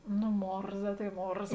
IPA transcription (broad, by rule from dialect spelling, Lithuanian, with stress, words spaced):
nʊ ˈmoːrzɐ tɐɪ ˈmoːrzɐ